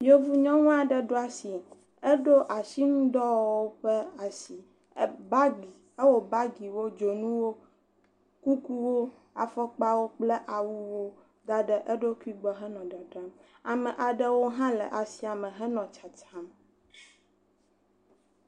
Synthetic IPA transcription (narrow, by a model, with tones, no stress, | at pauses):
jo˦vu˦ɲɔ̃˦ŋɔ̃˦a˨ɖə˨ɖo˦a˦si˨ | ə˦ɖo˦ʔa˨ʃi˦nũ˦d̪ɔ˦wo˦ɸə˦a˨si˨˦ | ba˦ɡi˨ | ə˦wo˨ba˦ɡi˨wo˦d͡ʒo˨nũ˦wo˦ | ku˦ku˦wo˦ | a˨fɔ˦k͡pa˦wo˦k͡plɛ˦ʔa˨wu˦wo˦ | d̪a˦ɖə˦ʔə˦ɖo˦ki˦ɡ͡bɔ˦ɦɛ˦nɔ̃˨ɖa˨ɖa˦m | a˨mɛ̃˨ʔa˨ɖə˦wo˦ɦã˦lɛ̰˨ʔa˨si˨a˨mə̃˨ɦɛ˦nɔ̃˨t͡ʃa˨t͡ʃa˦m